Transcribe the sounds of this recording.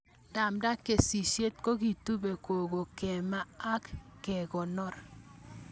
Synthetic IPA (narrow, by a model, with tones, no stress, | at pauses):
da˨mda˦kːe˨si˨ʃje˦t̚ko˦ki˨tu˦be˨ko˨ɡo˨kɛ˨ma˦a˦kːɛ˨kɔ˨nɔ˦˨ɾ